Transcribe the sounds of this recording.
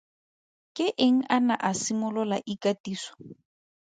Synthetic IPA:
kʼɪʔeŋ̩ʔanaʔasimʊlʊla̰ʔikatiːsɔ̥

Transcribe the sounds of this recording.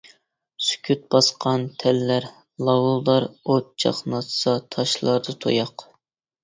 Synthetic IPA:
sy̥kʲʰyt̪̚bɑsqʰɑnt̪ʰɛlːæɾ | lˠɑwulˠdɑɾot̪̚t͡ʃʰɑ̰qnɑt̪sɑt̪ʰɑʃlˠɑɾd̪ɨt̪ʰo̰jɑq

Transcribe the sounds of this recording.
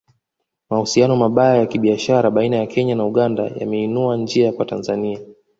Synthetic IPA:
mahusianɔmaɓajajakiɓiaʃaɾaɓainajakʰɛɲanauɠanda̰ja̰mɛinuaɲd͡ʒiakwatanzania

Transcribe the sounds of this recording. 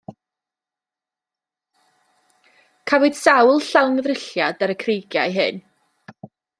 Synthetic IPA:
kʰavʊd̥sawlˠɬawŋəðrɪɬjadaɾəkʰrejɡjajɦɨn

